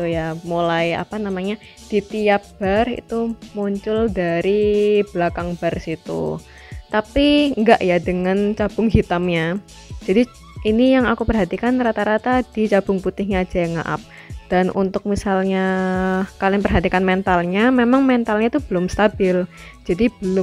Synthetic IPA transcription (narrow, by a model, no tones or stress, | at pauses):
ujamulaja̰panamaɲa | d̥it̪iap̚b̥arḭt̪umuɲt͡ʃʊldaɾiblakaŋbarsit̪ṵ | t̪apiŋɡaʔjadəŋant͡ʃab̥ʊŋɦit̪amɲa | d͡ʒadi | inijaŋakupərɦat̪ikanrat̪aɾat̪ad̥it͡ʃab̥ʊŋput̪ɪhɲaːd͡ʒajaŋa̰ʔa̰p̚ | d̥anṵnt̪ʊk̚misalɲa | kalɪnpərɦat̪ikanmɛnt̪alɲamemaŋmɛnt̪alɲait̪ubəlʊmst̪abɪld͡ʒadibəlʊ